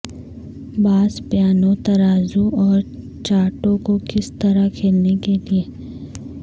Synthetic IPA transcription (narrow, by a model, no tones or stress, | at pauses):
baːspjaːnõt̪ɐɾaːzuɔːɾ | t͡ʃaːʈõkokɪst̪ɐɾakʰeːlnekelieː